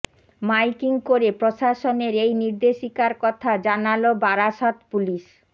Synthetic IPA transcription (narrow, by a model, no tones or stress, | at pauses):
majkiŋkoɾepɾoʃaʃoneɾejniɾd̪eʃikaɾkɔt̪ʰad͡ʑanalobaɾaʃat̪puliʃ